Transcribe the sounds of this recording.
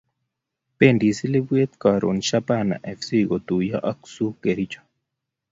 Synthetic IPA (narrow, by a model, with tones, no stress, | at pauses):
pe˦˨ndi˨si˦le˦bwe˦t̪̚ka˨ɾo̰˨nʃa˦pa˦˨na̰˨ʔɛ˨fsi˦ɡɔ˨t̪u˨ja˦ʔa˦ksu˦ke˨ɾi˦t͡ʃḁ˨